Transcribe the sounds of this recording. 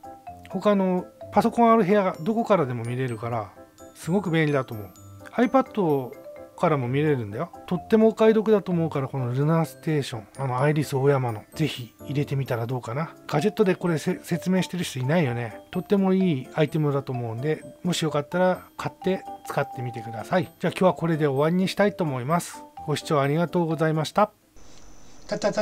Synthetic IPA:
ho̞kano̞paso̞kõ̞ɰ̃aɾɯ̟ɦe̞jaɡad̪o̞ko̞kaɾad̪e̞mo̞mʲiɾe̞ɾɯ̟kaɾasɨɡo̞kɯ̟bẽ̞nʲid̪at̪o̞ːmo̞ɯ̟aipad̪ːo̞kaɾamo̞mʲiɾe̞ɾɯ̟̃nd̪ajo̞t̪o̞t̪ːe̞mo̞kaid̪o̞kɯ̟d̪at̪o̞ːmo̞ɯ̟kaɾako̞noɾɯ̟naːsɨ̥t̪e̞ːɕõ̞ɴano̞aiɾʲisɨojamano̞ze̞çiːɾe̞t̪e̞mʲit̪aɾad̪o̞ːkanaɡ̥ad͡ʑe̞t̪ːod̪e̞ko̞ɾe̞se̞t͡sɨme̞ːɕi̥t̪e̞ɾɯ̟ɕi̥t̪oinaijo̞ne̞t̪o̞t̪ːe̞mo̞iːait̪e̞mɯ̟d̪at̪oːmo̞ɯ̟̃nd̪e̞mo̞ɕijo̞kat̪ːaɾakʰat̪ːe̞t͡sɨ̥kat̪ːe̞mʲit̪e̞kɯ̟d̪asaid͡ʑaːkʲoːβako̞ɾe̞d̪e̞o̞βaɲʲiɲ̟iɕi̥t̪ait̪o̞ːmo̞imasɨ̥ɡ̥o̞ɕi̥t͡ɕo̞ːaɾʲiɡat̪o̞ːɡo̞zaimaɕi̥t̪a | t̪t̪a

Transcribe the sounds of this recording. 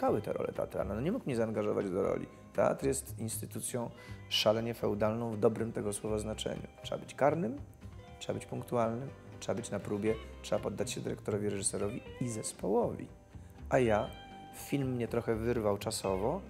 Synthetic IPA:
kawɘt̪ɛ̰ɾɔ̰lɛ̰t̪ɛ̰a̰t̪ɾa̰lnanɔɲɛmukmɲɛzaːnɡaʐɔva̰d͡ʑd̪ɔɾɔ̰lʲḭ | t̪ɛa̰t̪ɾjɛst̪inst̪ɘt̪ut̪sʲjɔ̃w̃ʂalɛɲɛfɛwd̪alnɔ̃w̃vd̪ɔbɾɘmt̪ɛɡɔswɔvaznat͡ʂɛ̰ɲṵtʂɛa̰bɘt͡ɕkaɾnɘm | tʂɛbabɘt͡ɕpũŋk̚t̪ualnɘm | tʂɛabɘt͡ɕnapɾubʲjɛtʂɛbapɔd̪ːat͡ɕɕɛd̪ɘɾɛkt̪ɔɾɔvʲiɾɛʐɘsɛɾɔvʲiizɛspɔwɔvʲḭ | ʔaja | fʲilmːɲɛt̪ɾɔxɛvɘɾvawt͡ʂasɔvɔ

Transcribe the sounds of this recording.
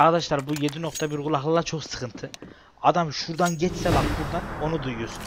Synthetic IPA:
aɾd̪aʃlˠaɾbujed̪ino̞kt̪ʰabiɾɡulˠaɦlˠɯlˠat͡ʃʰoχsɯ̥kʰɯnt̪ʰɯ | ad̪amʃuɾd̪anɟɛt͡ʃsɛlaɾbuɾd̪ano̞nud̪ujjos

